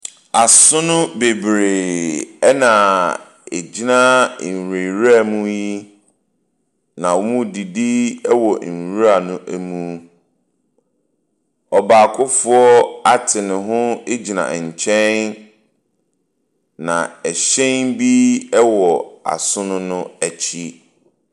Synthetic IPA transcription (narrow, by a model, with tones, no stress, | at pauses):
a˨sʊ̃˦nʊ̃˦be˨bɾe˨ɛ˦nã˨ | e˨d͡ʑi˦nã˦˨n˨ɾe˨ɾa˦˨mũ˦ji˦ | nã˨wmũ˦˨di˨di˦ɛ˦wɔ˨ɾu˦a˨nʊ̃˦ʔæ˨mũ˦ | ɔ˨baː˨kʰʊ˦fʊ˦ɔ˦a˦tʰɪ˨nɪ̃˨ɦʊ̃˦e˦d͡ʑi˨nã̰˨ɲ̩˨t͡ɕʰɛ̃˦n | nã̰˨ɛ˨ɕɛ̃˦nbi˦ɛ˦wɔ˨a̰˨sʊ̃˦nʊ̃˦nʊ̃˦æ˨t͡ɕʰi˦